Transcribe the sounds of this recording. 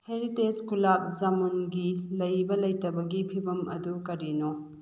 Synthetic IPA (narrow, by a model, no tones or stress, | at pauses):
heɾiteskulap̚zamunɡilɐjbɐlɐjtɐbɐɡipʰibɐmʔɐdukɐɾino